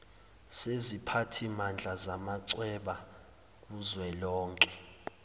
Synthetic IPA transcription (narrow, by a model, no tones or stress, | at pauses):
sezipʰatʰimand͡ɮʱazamaǀwɛɓa | k̬uzwɛlɔːŋkʼɛ